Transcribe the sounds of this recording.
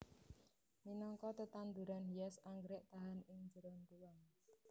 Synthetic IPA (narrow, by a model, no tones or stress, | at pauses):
minɔŋkɔt̪ət̪and̪uɾanɦijɛsaŋɡɾɪʔt̪aɦanɪŋd͡ʒəɾɔnduwaŋ